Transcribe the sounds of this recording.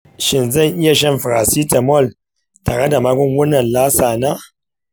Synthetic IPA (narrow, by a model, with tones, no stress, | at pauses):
ʃɪ˦˨nzɐ˦˨ŋʔɪ˦ja˨ʃɛ˦mɸɾa˨si˦ta˨mɔ˦˨l | taː˨ɽe˦da˨maː˦ɡʷɔ˦ŋwʊ˦nːɐ˨nlaː˦saː˨naː˦